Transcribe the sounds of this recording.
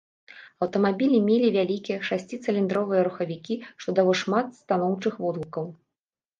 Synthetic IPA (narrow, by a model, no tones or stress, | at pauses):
ɐwt̪ɐmabʲilʲimʲelʲivʲalʲikʲijɛʂasʲt͡sʲit̪sɨlʲind̪ɾɔvɨjɐɾuxɐvʲikʲiʂt̪ɔd̪alˠɔʂmat̪st̪anɔwt͡ʂɨxvɔd̪lˠukɐw